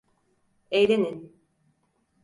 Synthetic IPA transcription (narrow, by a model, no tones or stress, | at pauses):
ejɾenin